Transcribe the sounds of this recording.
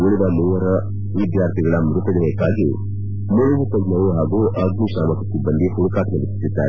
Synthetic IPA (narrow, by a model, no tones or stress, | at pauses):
muɭid̪ɐmuːʋɐɾɐ | ʋid̪jaːɾt̪ʰiɡɐɭɐmɾut̪ɐd͡ʒɐnɐjɐkːaːɡi | muɭid̪ɐt̪ɐd͡ʒnɐʋuɦaːɡuʔɐɡnuʃaːmɐkɐkːibɐnd̪ihuɽukaːʈʰnɐbit̪i̥t̪ːid̪ːa̰ːɾe